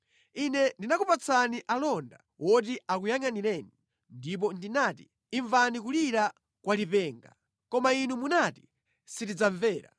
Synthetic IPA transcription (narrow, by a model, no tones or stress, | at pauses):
inɛndinakupat͡saniʔalɔnda̰ | wʔɔtiʔakujaŋanilɛːni | ndip̬ɔndinatiː | ɱvanik̬uliɾa | kwalipɛːŋɡa̰ | kɔmainumunati̥ | sitid͡zaɱvɛːɾa̰